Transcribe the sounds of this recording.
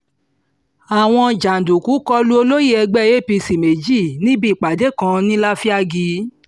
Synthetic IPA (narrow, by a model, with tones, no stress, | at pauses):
a˨w̃ɔ̃˧d͡ʒa˨n̩˨du˨ku˨˦kɔ˧lu˦o˧lo˦je˦˨ɛ˧ɡ͡bɛ˦˨˦e˦˨pi˧si˨me˨d͡ʒi˦˨nĩ˦bi˦˨k͡pa˨de˨˦kã˧nĩ˦la˦fi˦a˧ɡi˧